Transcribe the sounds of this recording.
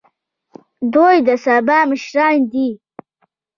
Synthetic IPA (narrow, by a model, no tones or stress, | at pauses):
d̪ojd̪əsabɑːməʃɾɑːnd̪i